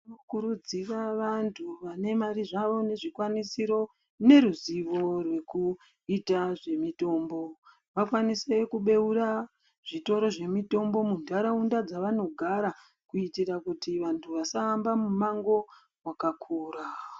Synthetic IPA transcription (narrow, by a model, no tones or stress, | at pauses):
nokuɾud͡ziraʋantʰuʋane̞maɾiʐaʋo̞ne̞ʐikwanisiɾo̞ | ne̞ɾuziʋo̞rwe̞ku | itaʐe̞mito̞ːmbo̞ | ʋakwanise̞kuɓe̞uɾa | ʐ̥ito̞ɾo̞ʐe̞mito̞mbo̞mundaɾaundad͡zaʋano̞ɡʱaɾa | kuitirakutiʋantʰuʋasaːmbamumaŋɡo̞ | wakakʰuːɾa